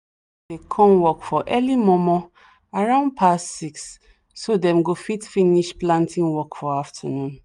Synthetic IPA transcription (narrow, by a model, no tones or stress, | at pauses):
dekʰɔ̃mwɔkfɔʔɛlimɔ̃mɔ | aɹãʊ̃nd̚pʰassiksː | odɛ̃mɡofitfĩniʃplãntĩnwɔkfɔaftʰanũn